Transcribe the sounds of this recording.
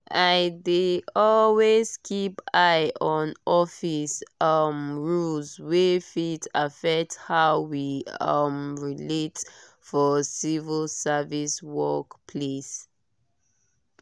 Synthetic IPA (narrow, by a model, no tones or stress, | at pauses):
ʔaɪdeɔlwez̥kʰipaɪʔɔ̃nɔfisʌmɹulzwefitafɛk̚thaʊwiʌmɹilet | fɔsivəlsɛviswɔkpʰles